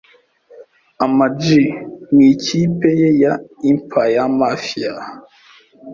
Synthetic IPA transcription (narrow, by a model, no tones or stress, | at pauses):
amad͡ʒimikʰipejejaim̩pʰajamafia